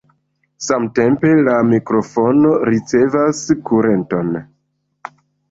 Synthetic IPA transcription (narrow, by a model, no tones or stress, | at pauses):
samte̞mpe̞lamikɾo̞fo̞no̞ɾit͡se̞vaskuɾe̞nto̞n